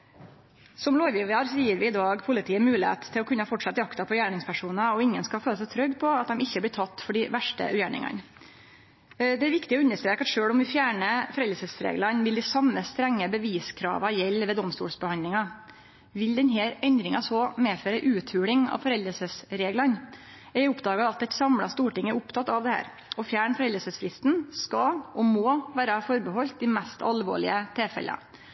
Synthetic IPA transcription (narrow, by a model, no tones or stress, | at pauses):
sɔmloːʋjiʋɑɾsɔjiːɾʋɪɪd̪ɑːɡpʰʊlɪt̪ʰiːəmʉːlɪḛːt̪ʰːɪlɔkʰʉnːəɑfɔʈʂɑt̪d̪ɪɑkt̪ɑpʰɔjæːɳɪŋspʰæʂuːnɑɔɪŋːənskɑlføːləsɛt̪ʰɾœɡpʰɔɑt̪̚d̪ɛmɪçːəblɪt̪ʰɑt̪ːfɔɖɪʋæʂʈə̰jæːɳɪ̰ŋɑ̰n | d̪ɛæɾʋɪkt̪ɪɔʉnːəʂt̪ɾeːkɑt̪ʂøːlɔmʋɪfjæːɳəfɔɾɛld̪əɾsəsɾḛːɡlɑnʋɪld̪ɪsɑmːəst̪ɾɛŋːəbəʋiːskʰɾɑ̰ːʋɑjɛlːʋɛːd̪ɔmst̪ṵːlsbəhɑnd̪lɪŋɑ | ʋɪld̪ɛnɦeːɾɛnd̪ɾɪŋɑsɔmeːføːɾəʔʉːt̪ʰʉːɭɪŋɑ̰ʋfɔɾɛld̪əsəsɾeːɡlɑn | ɛʊpd̪ɑːɡɑɑt̪ːɛt̪sɑmlɑ̰st̪uːʈɪŋːəɾʊpt̪ʰɑt̪ːɑʋd̪ɛhæ̰ːɾ | ɔfjæːɳfɔɾɛld̪əsəsflɪst̪nskɑʔɔmoːʋæːɾɑfɔɾbəhɔlt̪̚d̪ɪmɛst̪ʰɑ̰lʋo̰ːɭɪ̰ət̪ʰeːfɛ̰l̰ə̰